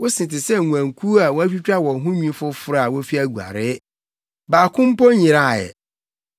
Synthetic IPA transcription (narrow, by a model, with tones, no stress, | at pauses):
wʊ˦sɪ̃˨tɪ˨sɛ˦˨ŋu˨ã˨ŋkʰu˦a˨wɔ˦æ˦ɕᶣi˦t͡ɕᶣa˦wɔ̃˨ɦʊ̃˦ɲĩ˦fʊ˦fʊ˦ɾa˨wo˦fi˦æ˨ɡu˨a̰˨ɾɪ˦ | baː˨kʰʊ̃˦m̩˦pɔ˦ɲĩ˨ɾa˦˨jɛ̰˨